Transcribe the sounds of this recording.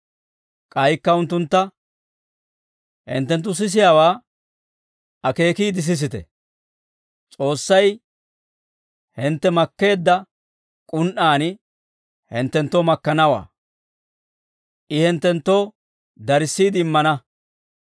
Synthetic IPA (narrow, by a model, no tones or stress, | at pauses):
kʼɐjkːɐʊnt̪ːʊnt̪ːɐ | hɛ̰nt̪ːɛnt̪ːʊs̬ɪs̬ɪjawaː | ɐke̞ːkiːd̪ɪs̬ɪs̬ɪt̪ɛ̰ | t͡sʼo̞ːsːɐj | hɪnt̪ːɛmɐkːe̞ːd̪ːɐ | kʼʊnʔaːnɪ | hɪnt̪ːɛnt̪ːoːmɐkːɐnɐwa̰ː | ʔɪhɛnt̪ːɛnt̪ːo̞ː | d̪ɐɾɪsːiːd̪ɪɪmːɐnɐ